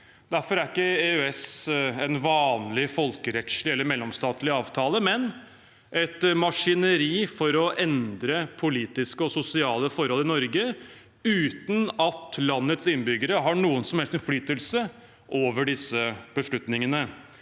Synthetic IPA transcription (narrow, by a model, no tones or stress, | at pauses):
d̪̥æɾfɔɾæɾɪkːəeøɛsɛnʋɑːnlɪfɔlkəɾɛt̪ʂlɪɛlːəɾmɛlːɔmst̪ɑːt̪lɪɑːʋt̪ʰɑːləmɛn | ʔɛt̪mɑʂɪnəɾiːfɔɾɔʔɛnd̪ɾəpʰʊliːt̪ɪskəɔsʊsɪɑːləfɔɾhɔlːɪnɔɾɡə | ʉːt̪nɑt̪lɑnːət̪sɪnbʏɡəɾəɦɑɳuːənsɔmhɛlst̪ɛnflyːt̪əlsə | ʔoːʋəɖɪsːəb̥əʂlʉt̪nɪŋənə